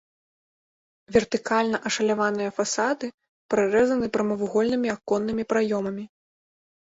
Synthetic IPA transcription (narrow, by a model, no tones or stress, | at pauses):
vʲɛrt̪ɨkalʲnɐʔɐʂɐlʲavanɨjɐfasad̪ɨ | pɾaɾɛzɐnɨpɾɐmɐvuɣɔlʲnɨmʲiakɔnːɨmʲipɾajɔmɐmʲi